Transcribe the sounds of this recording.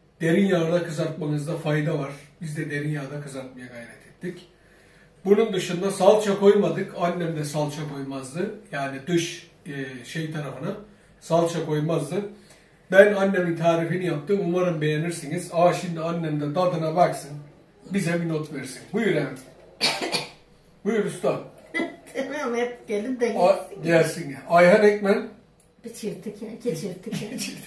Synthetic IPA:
d̪e̞ɾinjaːd̪akɯzaɾt̪̚manɯzd̪afajd̪avaɾ̥bizd̪ɛd̪e̞ɾinjaːd̪akɯzaɾt̪̚majaɡajɾɛt̪ʰɛt̪ːic | bunund̪ɯʃund̪asalˠt͡ʃʰako̞jmad̪ɯkʰanːemd̪ɛsalˠt͡ʃʰakʰo̞jmazd̪ɯjaːnid̪øʃ | ʃe̞jt̪ʰaɾafɯna | salˠt͡ʃʰakʰo̞jmazd̪ɯ | bænanːemint̪ʰaːɾifinijap̚t̪ʰɯmumaɾɯmbe̞je̞niɾsiniz̥aʃimd̪ianʲːemd̪ɛd̪ad̪ɯnabaksɯn | bizɛbinot̪veɾsinbujuɾɛ | bujuɾʲust̪ʰant̪ʰmɛɟelʲimd̪eɲɟæɾʲsinajɦanɛcmæn | bit͡ʃʰiɾt̪ʰiket͡ʃʰiɾt̪ʰi

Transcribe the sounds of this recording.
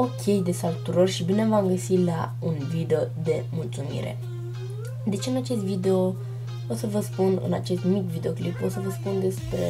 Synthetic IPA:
o̞kʲʰe̞jd̪e̞salut̪uɾorʃibine̞mvamɡəsila̰ | unvid̪eo̞d̪e̞mult̪sumḭɾe̞̰ | d̪e̞t͡ʃeɨnat͡ʃe̞st̪vid̪e̞o | osəvəspunɨ̰na̰t͡ʃe̞st̪mikvid̪e̞o̞kliposəvəspund̪e̞spɾe̞̰

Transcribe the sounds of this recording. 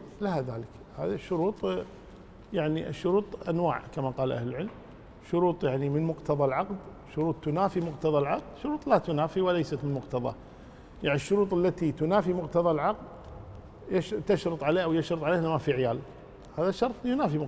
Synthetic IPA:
lahaðaːlək | ha̰ːðiʃːʊɾuːt̪ˤ | jaʕniʔʃːʊɾuːt̪ˤʔanwa̰ːʕkamaqɑːlʔa̰hlɪlʕɪlm | ʃʊɾuːt̪ˤjaʕnimɪnmʊqt̪ɑðˤɑlʕɑqd̪ | ʃːʊɾuːt̪ˤːʊnaːfimʊqt̪ɑðˤɑlʕɑq̚d̪ʃʊɾuːt̪ˤlat̪ʊnaːfiwalajsat̪mɪnmʊqt̪ɑðˤɑ̰ | jaʕniʃːʊɾuːt̪ˤɪlːat̪it̪ʊnaːfimʊqt̪ɑðˤɑlʕɑqd̪ | jɪʃt̪ɪʃɾɨt̪ˤʕaleːhʔawjɪʃɾɨt̪ˤʕaleːhnamafiʕɪjaːl | haːðaʃːɑɾˤt̪ˤjʊnaːfi

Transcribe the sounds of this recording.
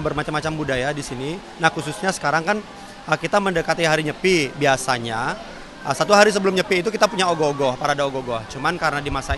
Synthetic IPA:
bərmat͡ʃamat͡ʃambudajadisini | nahkususɲasə̥kaɾaŋkan | əkit̪aməndəkat̪iɦaɾiɲəpibiasaɲa | əsat̪uɦaɾis̬əbəlʊmɲəpiːt̪̬ukit̪apuɲaoɡoɡɔhpaɾadaoɡoɡɔht͡ʃumankaɾənadimasa

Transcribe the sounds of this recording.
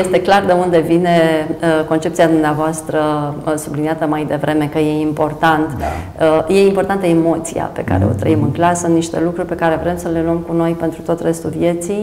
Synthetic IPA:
jest̪e̞klard̪e̞und̪e̞vine̞əko̞nt͡ʃe̞p̚tsiad̪umneavoast̪ɾəsubliniat̪əmajd̪e̞vɾʔe̞me̞kəje̞impo̞rt̪ant̪ | əje̞impo̞rt̪ant̪əemo̞t̪sḭa̰pe̞ka̰ɾe̞̰o̞̰t̪ɾə̰imɨŋklasəunniʃt̪e̞̰lukɾurʲpe̞kaɾe̞vɾe̞msəle̞luəmkuno̞jpent̪ɾut̪o̞t̪re̞st̪ulvje̞t̪sij

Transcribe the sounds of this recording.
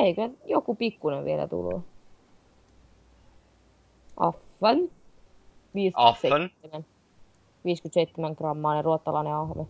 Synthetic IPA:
eikøjokupikːuneʋʋielæ̰t̪ṵlːṵ | ʔɑ̰fːɑn | ʋiːsɑet̪ːeæn | ʋiːskyt̪seit̪ːemæŋkrɑmːɑːneruot̪ːɑlɑneɑhʋe

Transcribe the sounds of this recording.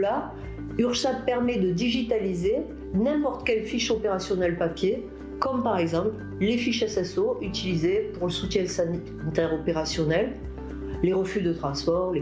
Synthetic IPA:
la | yʁʃapɛʁmɛd̪əd̪iʒit̪alize | nɛ̃pɔʁt̪kʲɛlfiʃopeʁasjɔnɛlpapje | kɔmpaʁɛɡzɑ̃pl | lefiʃasɛsoʔyt̪ilizepuʁləsut̪jɛ̃s | t̪ɛʁɔpeʁasjɔnɛl | leʁəfyd̪ət̪χɑ̃spɔʁle

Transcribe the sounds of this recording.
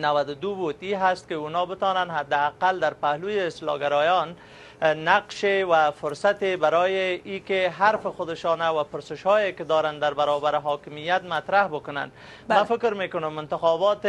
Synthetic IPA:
nawad̪ʊd̪ubut̪iɦast̪̚kɪunɔbɪt̪ɔnanɦad̪ːɪaqald̪aɾpahlujeɪst̪lɔ̰ɡaɾɔjɔnː | aqʃewafʊɾsat̪ebaɾɔːjɪikeɦaɾfɪxʊd̪ɪʃɔnawapʊɾsɪʃhɔjekɪd̪ɔɾand̪aɾbaɾɔbaɾɪɦɔːkɪmijat̪mat̪ɾahbʊkʊna̰n | mafɪkɾmekʊnʊmɪnt̪ɪxɔbɔt̪

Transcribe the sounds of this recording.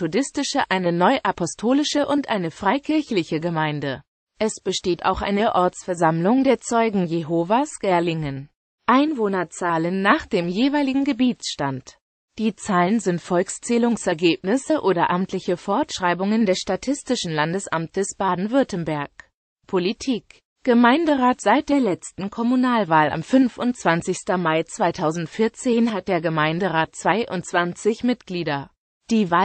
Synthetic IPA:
b̥odɪstɪʃəʔaɪnənɔʏʔapʰɔstʰoːlɪʃəʔʊntʔaɪnəfʁ̥aɪkʰɪɐçlɪçəɡəmaɪndə | ʔɛsb̥əʃteːta̰ʊxʔa̰ɪnəɐʔɔɐt͡sfɛɐzamlʊŋdeːɐt͡sɔʏɡŋ̩jeɦoːvasɡ̥ɛɐlɪŋən | ʔaɪnvoːnɐt͡saːlənːaːχd̥eːmjeːvaɪlɪɡŋ̩ɡəbiːt͡sʃtant | d̥iːt͡saːlənzɪntfɔlkst͡sɛːlʊŋsɛɐɡeːpnɪsəʔoːdɐʔamtʰlɪçəfɔɐtʃʁ̥aɪbʊŋəndɛsʃtatʰɪstɪʃn̩landəsʔa̰mtʰəsb̥aːdn̩vʏɐtən̩bɛɐk | pʰolitʰiːk | ɡ̥əmaɪndəʁaːtz̥aɪt̚d̥eːɐlɛt͡stn̩kʰɔmunaːlvaːlʔa̰mfʏnfʊnt͡sv̥ant͡sɪçstɐmaɪt͡sv̥aɪtʰaʊzn̩tfɪɐt͡seːnɦat̚d̥eːɐɡəmaɪndəʁaːt̚t͡sv̥aɪʔʊ̰ntt͡sv̥ant͡sɪçmɪt̚ɡ̥liːdɐ | d̥iːvaː

